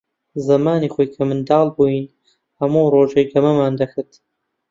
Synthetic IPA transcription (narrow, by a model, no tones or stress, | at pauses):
zɐmaːniːxoːjkʰɐmɨnd̪ɑːlˠbujin | hɐmuːroːʒejɡɐmɐmaːnd̪ɐxɨt̪